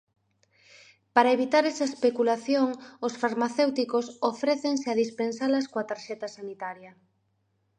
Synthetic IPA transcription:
paɾaeβ̞it̪aɾɛsɐespekulaθjoŋʊsfaɾmaθewt̪ikosofɾɛθeŋsɪaðispensalɐskoat̪aɾʃɛt̪ɐsanit̪aɾjɐ

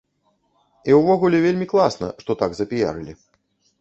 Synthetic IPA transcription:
iwvɔɣulʲɛvʲelʲmʲiklˠasnɐ̰ʂt̪ɔt̪aɡzɐpʲija̰ɾɨlʲi

